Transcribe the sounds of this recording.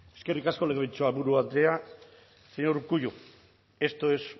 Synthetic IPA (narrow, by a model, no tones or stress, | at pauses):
e̞ske̞rikasko̞leɣeβit͡ʃoaβuɾuaea | seɲoɾkuʝu | e̞st̪oes